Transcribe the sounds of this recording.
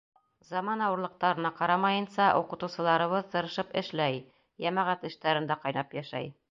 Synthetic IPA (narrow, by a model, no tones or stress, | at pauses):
zɑmɑnɑwɤ̆ɾlˠɤ̆q̚t̪ɑɾɤ̆nɑqɑɾɑmɑjɤ̆nsɑʔuqɤ̆t̪uwsɤ̆lˠɑɾɤ̆βɤðt̪ɤ̆ɾɤ̆ʃɤpɘ̰̆ʃlæj | jæmæʁæt̪ɘ̆ʃt̪æɾɘ̆nd̪æqɑjnɑpjæʃæ̰j